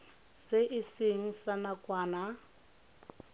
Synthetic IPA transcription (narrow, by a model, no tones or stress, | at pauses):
sɪʔɪsɪŋ̩sanakʼwaːna